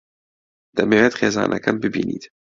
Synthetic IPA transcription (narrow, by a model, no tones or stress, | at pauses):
d̪̥ɐmeːwet̪xeːzɑ̰ːnʔɐ̰kɐmbɨbḭːnḭːt̪